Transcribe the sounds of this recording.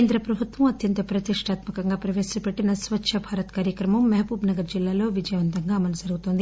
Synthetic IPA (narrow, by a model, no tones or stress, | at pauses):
nd̪ɾɐpɾɐbʱut̪ʋɐmɐt̪jɐnt̪ɐpɾɐt̪iʂʈaːt̪mɐkɐŋɡaːpɾɐʋeːst͡ʃɐpeʈːinɐsʋɐtːʃʰɐbʱaːɾɐt̪kaːɾjɐkɾɐmɐmːɐɦɐpuːbnɐɡɐɾd͡ʒilːaːlo̞ːʋid͡ʒɐjɐʋɐnt̪ɐŋɡaːɐmɐlud͡ʒɐɾuɡut̪ond̪i